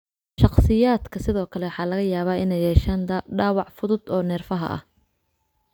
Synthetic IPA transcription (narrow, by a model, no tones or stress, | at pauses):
ʃɑqsɪjaːd̪kʰɐsɪðɔːkʰɐlɛwħɑːlɐɣɐjaːβaːɪnɛjhɛːʃɐnd̪ɐɖaːwɑʕfʊðʊd̪ɔːnɛːrfɐɦɐ̰ʔɐ̰h